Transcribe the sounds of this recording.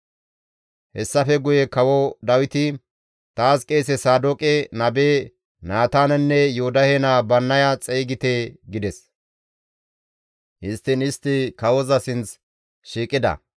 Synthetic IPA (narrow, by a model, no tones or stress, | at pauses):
hɛsːɐfɛɡʊjɛkɐwɔd̪ɐwɪt̪ɪ | t̪aːskʼe̞ːsɛsaːd̪oːkʼɛnɐbeː | naːt̪aːnɛnːɛjoʊd̪ɐhenaːbɐnːɐjɐt͡sʼejɡɪt̪eːɡɪd̪ɛs | ʔɪst̪ːɪnɪst̪ːɪkɐwɔzɐsɪnt͡s | ʃiːkʼːɪd̪ɐ̰